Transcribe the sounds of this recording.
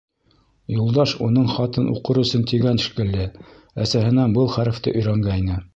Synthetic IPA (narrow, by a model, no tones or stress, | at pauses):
julˠd̪ɑʃunɤɴχɑt̪ɤnʔṵqɤɾɤ̆sɤnt̪iɡæn̆ʃkɘ̆lːɘ | æsæɦɘ̆nænbɤlˠχæɾɘ̆ft̪ɤ̰ʔɵ̆jɾæŋɡæinɘ